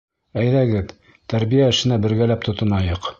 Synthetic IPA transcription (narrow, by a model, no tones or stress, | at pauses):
æjðæɡɘð | t̪æɾbijæɘ̆ʃɘ̆næbɘ̆ɾɡælæp̚t̪ŏt̪ɤ̆mɑjɤq